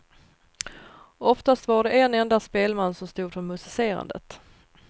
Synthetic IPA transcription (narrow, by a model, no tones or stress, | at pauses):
ɔft̪ast̪vaɖɛʔɛnɛnd̪aspeːlmanːsɔmst̪uːd̪fœɾmɵsɪseːɾa̰nd̪ə̰t̪